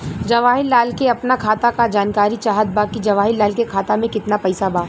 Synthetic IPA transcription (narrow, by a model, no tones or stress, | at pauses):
d͡ʒɐʋaːɦɪlːaːlkeɐpnakʰaːt̪akad͡ʒaːnkaːɾit͡ʃaːɦət̪̚baːkid͡ʒɐʋaːɦɪlːaːlkekʰaːt̪amẽkɪt̪napɛɪsabaː